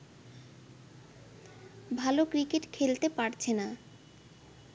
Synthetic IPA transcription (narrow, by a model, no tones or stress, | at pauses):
bʱalokɾikeʈkʰelt̪epaɾt͡ɕʰena